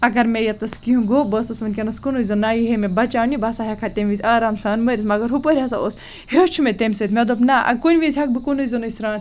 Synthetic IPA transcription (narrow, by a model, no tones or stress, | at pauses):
ɐɡɐɾmejɐt̪ɐskiũɡobəsɐsʋɐnʲkʲenɐskunuizɐnaːjiɦemebɐt͡ʃaːwnʲibɐsaːɦɐkʰaːt̪emʲʋizʲaːɾaːmsɐːnmɐɾʲismɐɡɐɾɦupəɾʲɐsaos | het͡ʃʰumet̪emʲsɐt̪mʲed̪opnaɐ̰kunʲʋizʲɦɐk̚bɨkunuzɐnuisʲɾaːn